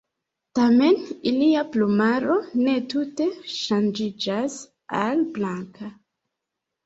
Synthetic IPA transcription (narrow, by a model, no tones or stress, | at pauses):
tame̞niliaplumaɾo̞ne̞tute̞ʃand͡ʒid͡ʒas | alblaŋkʰa